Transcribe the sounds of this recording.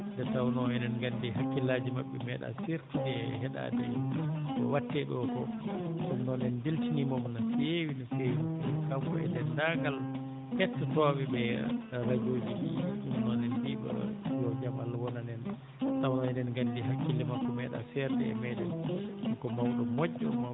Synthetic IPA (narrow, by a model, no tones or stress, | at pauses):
dɛtawnɔɛnɛnɡandihakːilaːd͡ʒimaɓːɛmɛɗa̰siɾtiɗɛhɛɗa̰dɛ̰ɓɔ̰watːɛɗɔkɔsumnɔnɛndiltinimɔmnasewinasewiɛkamkɔ̰ɛndɛndaɡal | kɛtːɛtɔbɛbɛɾad͡ʒoːd͡ʒiʔḭʔumnɔnɛnbiba̰jɔd͡ʒamalwɔnanɛn | tawnɔɛnɛnɡandiɦakːilːɛmakːɔmɛɗa̰sɛɾdɛ̰ɛ̰mɛɗɛnmakɔmawɗɔmod͡ʒːɔ̰ma